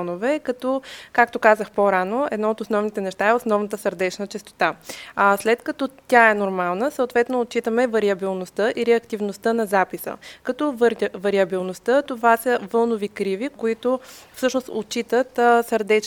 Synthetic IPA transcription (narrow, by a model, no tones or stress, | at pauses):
novɛkɐt̪ɔkakt̪okazəxpoɾanoɛ̰d̪nɔot̪osnɔvnit̪ɛnɛʃt̪aɛosnɔvnət̪əsəɾd̪ɛt͡ʃnət͡ʃɛst̪o̥t̪aaslɛt̪kɐt̪ɔt̪ʲaɛnoɾmalˠnəsəot̪vɛt̪noːt̚t͡ʃit̪əmɛvɐɾiɐbilˠnost̪əʔiɾɛɐkt̪ivnost̪ənɐzapisə̰kɐt̪ɔvɾvɐɾiɐbilˠnost̪ət̪ovasəvɤlˠnovikɾivikoit̪ofsɤʃnost̪ot͡ʃit̪ət̪səɾd̪ɛt͡ʃ